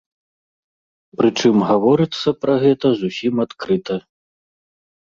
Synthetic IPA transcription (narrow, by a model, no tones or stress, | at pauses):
pɾɨt͡ʂɨmɣavɔɾɨt̪sːɐpɾɐɣɛt̪ɐzusʲimat̪kɾɨt̪ɐ